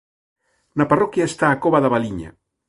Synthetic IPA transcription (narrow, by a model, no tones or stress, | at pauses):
nɐparokjaest̪aːkoβaðaβaliɲa̰